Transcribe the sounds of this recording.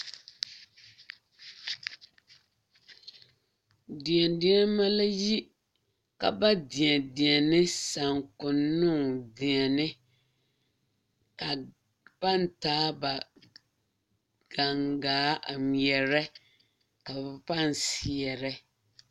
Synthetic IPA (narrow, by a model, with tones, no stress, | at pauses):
dɪ˨ɛ˨ndɪ˦a˦ma˦la˦ji˦ | ka̰˨ba˦dɪ˨ɛ˨dɪ˨ɛ˨nɪ˦sa˨ŋkʊ˨nːʊ˦˨ŋdɪ˨ɛ˨nɪ˦ | ka˨ | pa˦˨n˨taː˨˦ba˨ | ɡ̥a˨ŋɡaː˨˦a˨m˨ɛ˨ɾɛ˦ | ka˨ba˨pa˦˨n˨si˨ɛ˨ɾɛ˦